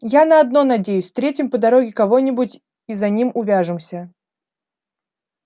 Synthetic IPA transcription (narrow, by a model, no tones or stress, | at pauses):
janəɐd̪no̞nɐdʲejʉsʲft̪ɾʲetʲɪmpəd̪ɐɾo̞ɡʲɪkɐvo̞nʲɪbʊtʲ | izɐnʲimʊvʲaʐɨmsʲə